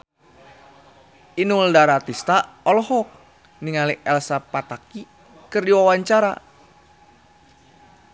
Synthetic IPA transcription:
inuldaɾat̪ist̪aɔlɔɦɔk̚ | niŋaliʔɛlsapat̪aki | kɨrdiwawaɲt͡ʃaɾa̰

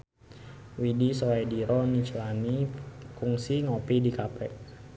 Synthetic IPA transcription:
widisoɛdiɾɔnit͡ʃlanikuŋsiŋɔpidikapɛʔ

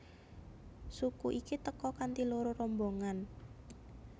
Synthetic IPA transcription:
sukuʔikit̪əkɔkant̪iloɾorɔmboŋan

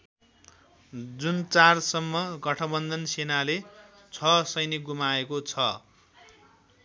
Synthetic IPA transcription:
d͡zunt͡sarsʌmːʌɡʌʈʰʌbʌnd̪ʱʌnsenale | t͡sʰʌsʌjniɡumaekot͡sʰʌ

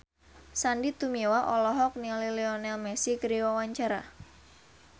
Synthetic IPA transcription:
sandit̪umewaʔɔlɔɦɔk̚nialileɔnɛlmɛsikəɾiwawaɲt͡ʃaɾa̰

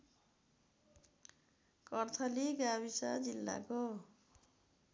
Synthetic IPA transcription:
kʌrt̪ʰʌliɡaβisad͡zilːa̰ko

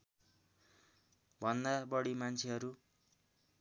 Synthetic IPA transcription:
bʱʌnd̪abʌɽimant͡sʰeɦʌɾu

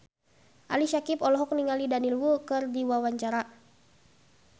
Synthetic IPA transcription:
ʔa̰liʃakipɔlɔɦɔk̚niŋalidanilwukɨrdiwawaɲt͡ʃaɾa

